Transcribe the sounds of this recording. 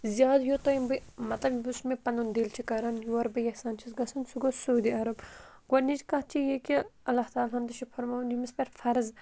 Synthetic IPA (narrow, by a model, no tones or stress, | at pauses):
zjaːd̪jot̪ojimbɨmɐt̪lɐbjbusmepɐnund̪eːlt͡ʃʰikɐɾɐnjuɐɾbɐjɐhsaːnt͡ʃʰisɡɐsɐnsuɡosuːd̪iɐɾɐb | ɡɐɾnid͡ʒkɐt͡ʃʰijekiɐlːɐht̪aːlɦɐnd̪ɐʃipʰɐɾmɐnimispɐɾfʰɐɾz